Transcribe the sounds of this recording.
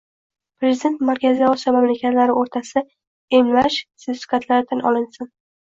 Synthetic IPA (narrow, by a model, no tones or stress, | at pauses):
pɾe̞zid̪e̞nt̪maɾkʲazɪɒsiɒmamlakʲʰat̪laɾɪoɾt̪ʰasɪ | emlaʃsefɪ̥kat̪laɾɪt̪ʰanʔɒ̰lɪnsɪn